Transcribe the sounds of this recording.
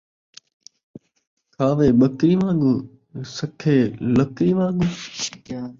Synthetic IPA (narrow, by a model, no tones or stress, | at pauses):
kʰaːʋeːɓəkɾiːʋãːɠuː | səkʰeːləkɾiːʋãːɠuː